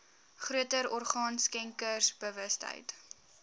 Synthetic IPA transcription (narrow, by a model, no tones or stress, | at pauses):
χruətəɾɔrχɑːnskɛŋkərsb̥əvəstə̰jt